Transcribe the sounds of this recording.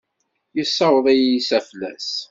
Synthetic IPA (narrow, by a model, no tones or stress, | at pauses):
jəsːɑwəðˤæjisæflæ̰s